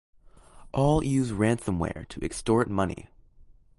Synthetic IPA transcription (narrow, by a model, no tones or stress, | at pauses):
ʔɔlˠjʉzɹæ̃nsə̃mwɛ̰ɹɾʰɨʔɨkstɔɹt̚mʌnḭ